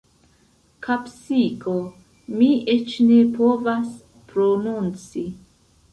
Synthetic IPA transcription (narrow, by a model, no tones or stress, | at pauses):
kʰapsiko | miet͡ʃnepovas | pɾonunt͡si